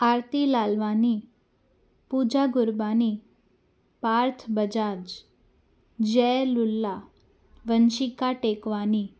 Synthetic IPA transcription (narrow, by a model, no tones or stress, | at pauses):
aɾt̪ilalʋani | pud͡ʒaɡʊɾbani | paɾt̪ʰbəd͡ʒad͡ʒ | d͡ʒɛlulːa | ʋənʃikaʈekʋani